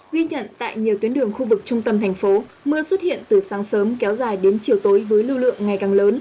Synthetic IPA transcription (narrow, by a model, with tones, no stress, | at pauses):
ɣi˧ɲə̰˧˨nt̪a̰ː˧˨jɲi˨˩əwt̪i˨˦ənɗɨ˨˩əŋxu˧vɨ˨˩k̚t͡ɕʊ˧ŋ͡mt̪ə˧mt̪ʰɛ˨˩jŋ̟fo˨˦mɨ˧əswə˦˥t̚hḭ˧˨ənt̪ɨ˨˩saː˨˦ŋsəː˨˦mkɛ˨˦wzaː˨˩jɗe˨˦nt͡ɕi˨˩əwt̪o˨˦jvəː˨˦jlɨ˧lɨ̰˧˨əŋːa˨˩jkaː˨˩ŋləː˨˦n